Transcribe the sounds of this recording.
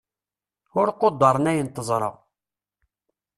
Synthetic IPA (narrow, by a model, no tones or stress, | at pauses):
ʊɾqod̪ˤːɑɾˤnæjənt̪əzˤɾˤə̰ʁ